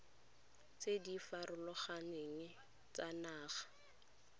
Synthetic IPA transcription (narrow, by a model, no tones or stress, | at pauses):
t͡sedifaɾʊlʊχaneŋɪ | t͡sanaːχḁ